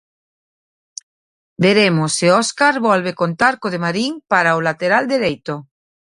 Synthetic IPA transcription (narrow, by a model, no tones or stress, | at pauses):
beɾemosːeɔskaɾβɔlβekont̪aɾkoðemaɾiŋpaɾaolat̪eɾald̪eɾejt̪o